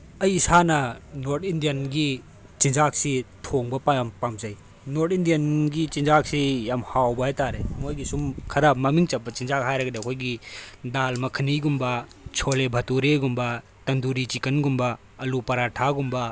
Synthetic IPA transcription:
ɐjːsanɐnoɾtindijɐnɡi | t͡ʃind͡ʒaksitʰoŋbɐpajampamzɐj | noɾtindijɐnɡit͡ʃind͡ʒak̚sijamhawbɐet̪aɾemojɡisumkʰɐɾapmɐmiŋt͡ʃɐp̚ːɐt͡ʃind͡ʒak̚ɦajɾɐɡɐdekʰojɡidalmɐkʰɐniɡumbɐ | t͡ʃʰolebʱɐtuɾeɡumbɐ | tɐnd̪uɾit͡ʃikɐnɡumba | ɐlupɐɾaʈʰaɡumbɐ

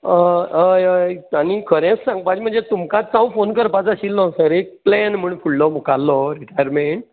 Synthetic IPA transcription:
əəjəjañikʰəɾɛ̃t͡ssãŋɡpat͡ɕm̤əɳd͡zet̪umkãt͡sãw̃fonkəɾpat͡səɕiːlnɔ̃səɾek̚plɛnm̤uɳfuɽlɔmukalːɔɾiʈajəɾmeɳʈ

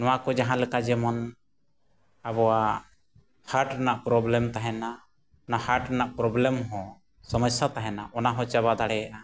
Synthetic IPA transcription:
nɔwakɔd͡ʒaɦãlɛkad͡ʒɛmɔn | abɔwa | haɾʈnaʔpɾɔblɛmt̪aɦɛna | ɔnahaɾʈɔnaʔpɾɔblɛmɦɔ̃ | sɔməsat̪aɦɛnaʔɔnaɦɔ̃t͡ʃaβad̪aɽɛjaʔa

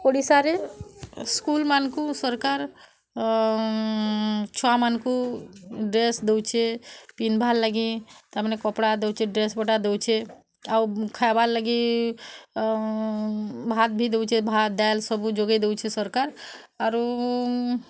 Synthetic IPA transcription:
koɽisaɾe | skulmankusəɾkaɾ | t͡ʃʰamanku | ɖɾesd̪ewt͡ʃʰepinbʱalːəɡit̪əmnekɔpɽad̪ewt͡ʃʰeɖɾesbəʈad̪ewt͡ʃʰe | awkʰabalːəɡi | bʱat̪̚bʱid̪ewt͡ʃʰebʱad̪alsəbud͡ʒoɡed̪ewt͡ʃʰesəɾkaɾ | aɾo

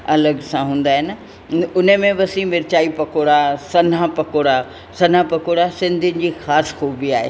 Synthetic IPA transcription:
ɐləɡsãɦũːn̆d̪aːɦɪn | ʊnəmẽʋɐsĩmɪɾt͡ɕaːipɐkoːɽasɐn̤ãpɐkoːɽa | sɐn̤ãpɐkoːɽasɪ̃nd̪ʱʊnɪ̆d͡ʑiːxaːsxoːbiaːɦḛː

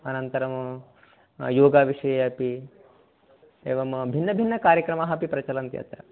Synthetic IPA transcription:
ɐnɐnt̪ɐɾɐm | joːɡaːʋiʂɐjɐjɐpi | ḛːʋɐmbʱinːɐbʱinːɐkaːɾjɐkɾɐmaːɦɐpipɾɐt͡ʃɐlɐnt̪jɐ̰t̪ɾɐ

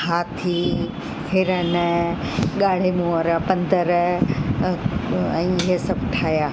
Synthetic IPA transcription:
haːt̪ʰi | fʰɪɾən | ɠaːɽ̤emuəɾpɐ̃nd̪əɾ | ɛ̃ːɪɦesɐbʱʈʰaːjaː

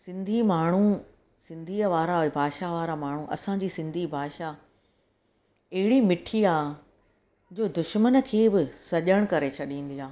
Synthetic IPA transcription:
sɪ̃nd̪ʱimaːɳ̤u | sɪ̃nd̪ʱiːəʋaːɾabʱaːʃaʋaːɾamaːɳ̤ũʔɐ̰sãd͡ʑiːsɪ̃nd̪ʱibʱaːʃa | ɐɦɪɽimɪʈʰiaːɦ | d͡ʑoːd̪ʊʃmənkʰeːbɪsɐʄəɽ̃kɐɾet͡ɕʰɐɗĩːn̆d̪iaː

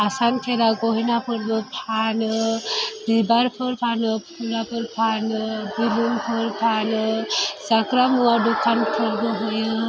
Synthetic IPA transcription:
asankʰeɾaɡɔɦinapʰɯɾbɯpʰan | dibaɾpʰɔɾpʰanpʰulapʰəɾpʰanbibunpʰɔɾpʰan | zakɾamuwaɖukʰankʰɯɾbɯɦuj

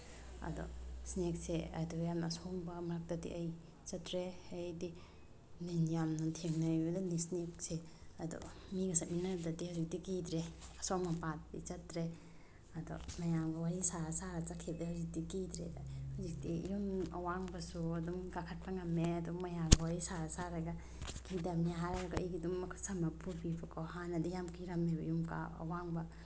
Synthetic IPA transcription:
ɐ̰dɔ̰snekseɐ̰dɔjamnɐːsɔŋbɐmaɾak̚tadḭʔaj | t͡ʃɐtɾeːjdi | ninjamnatʰeŋnaibɐdanisnek̚seɐdɔ̰miɡɐsat̚minadadihazik̚dikidɾeɐsoŋmapat̚dḭt͡ʃɐtɾe | ɐdɔ̰mɐjamɡɐwaɾisaɾasaɾat͡ʃakʰeb̚dehuwzik̚dikidɾḛdahazik̚dḭjumɐ̰waŋbɐsuɐdumkakʰɐt̚pʰaŋɐmeɐdumɐjamɡɐwaɾisaɾasaɾaɡa | kidamniaɦaɾaɡajɡidumɐkʰsɐmɐpuɾbipakɔhanɐdujamkʰiɾɐmebɐjumka̰ɐ̰waŋbɐ

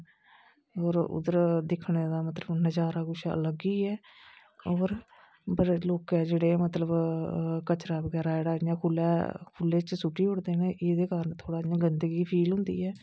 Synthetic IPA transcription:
ɔːɾʊ̰d̪əɾd̪ɪkʰɳeːd̪aːmət̪ləbnəd͡ʒaːɾaːɡʊʃaə̰ləɡiːɛː | ɔːɾ | bəɾloːkɛːd͡ʒeːɽeːmət̪ləbkət͡ʃɾaːbəɡɛːɾaːɪɽaːãːkʰʊlɛ̰ːkʰʊlːeːt͡ʃsʊʈːiːʊɽd̪eːnẽʔeːd̪eːkaːɾənt̪ʰoːɽaːjãːɡənd̪əɡiːpʰiːlɦʊ̃nd̪ḭːɛː

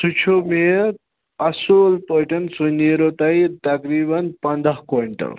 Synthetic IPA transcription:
sut͡ʃʰome | ɐsoːlpəːʈɐnsuneːɾot̪ɐit̪ɐkɾiːbɐnpɐnd̪ɐɦkoːɳʈɐ̰l

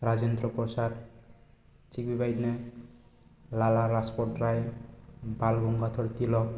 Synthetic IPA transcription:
ɾad͡zend̪ɾɔpɔsad̪ | t͡sik̚bibajd̪ne | lalaɾaspɔrʈraj | balɡuŋɡat̪ʰɔɾt̪ilɔ

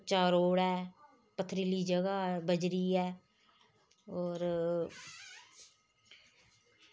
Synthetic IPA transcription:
t͡ʃaːɾoːɽɛː | pət̪ʰːɾiliːd͡ʒəɡaːbəd͡ʒɾiːɛː | oːɾ

